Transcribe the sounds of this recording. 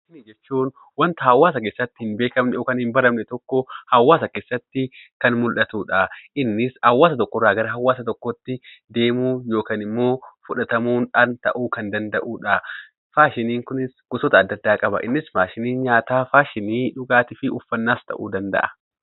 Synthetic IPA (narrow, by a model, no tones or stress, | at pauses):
ʃɪnɪd͡ʒɛt͡ʃːuːn | wɐnt̪ɐhɐwːaːs̬ɐkeːsːɐt̪ːɪhɪnbe̞ːkɐmnɛoːkɐnhɪmbɐɾɐmnɛt̪ɔkːɔhɐwːaːsɐke̞ːsːɐt̪ːɪkɐnmʊlʔɐt̪uːᶑɐʔɪnːɪshɐwːaːsɐt̪ɔkːɔrːaːɡɐɾɐɦɐwːaːsɐt̪ɔkːɔt̪ːɪd̪e̞ːmuːjo̞ːkaːnɪmːo̞ːfʊᶑɐt̪ɐmuːnᶑaːnt̪ɐ̰ʔuːkɐnd̪ɐnd̪ɐʔuːᶑɐ | faːʃɪniːŋkʊnɪsɡ̥ʊsɔt̪ɐːd̪ːɐd̪ːaːkʼɐbɐ̰ʔɪ̰nːɪsmaːʃɪniːnɲaːt̪aːfaːʃɪniːᶑʊɡaːt̪ɪfɪʊfːɐnːaːst̪ʰɐ̰ʔṵːd̪ɐnd̪ɐ̰ʔɐ̥